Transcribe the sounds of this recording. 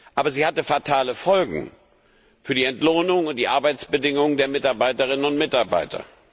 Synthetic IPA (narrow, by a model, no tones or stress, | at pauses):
ʔaːbɐziːhatəfaɐtʰaːləfɔlɡŋ̩ | fyːɐdiːɛntloːnʊŋʊnt̚d̥iːʔaɐbaɪt͡sb̥ədɪŋʊŋədeːɐmɪtaɐbaɪtəʁ̞ɪnənʊntmɪtaɐba̰ɪtʰɐ̰